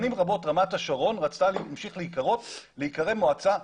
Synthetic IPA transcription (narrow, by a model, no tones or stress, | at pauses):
nimʁabo̞tʁamataʃaʁo̞nʁat͡stalmʃiχleikaʁo̞tleikaʁe̞vmːoat͡sa